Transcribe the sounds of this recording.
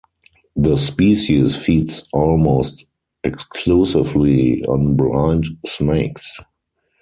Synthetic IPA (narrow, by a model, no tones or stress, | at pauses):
ðəspiːʃisfiːtsɔlmoʊst | ɛkskʰlusɪvliɔ̰̃nblãɪ̃ndsneɪks